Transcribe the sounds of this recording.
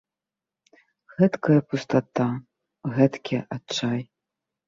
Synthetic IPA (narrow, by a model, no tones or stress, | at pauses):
ɣɛt̪kɐjɐpust̪at̪a | ɣɛt̪kʲiɐʔat͡ʂaj